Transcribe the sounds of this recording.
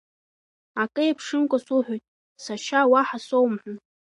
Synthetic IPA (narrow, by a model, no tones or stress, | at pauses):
akʼɨjapʰʂɨnkʷʼosuħʷᶣojtʼ | saʃawaħasowmħʷʊn